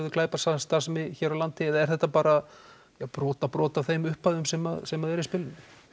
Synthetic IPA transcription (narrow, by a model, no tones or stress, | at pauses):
ðʏkʰlaːjpḁsast̪aɾ̥smɪçɛːɾawlant̪ɪɛðaɛɾ̥θɛht̪ːapaːɾa | japɾɔːt̪apɾɔːt̪avθejmʏhpaðʏmsɛmaðsɛmaðɛɾɪspɪlːɪn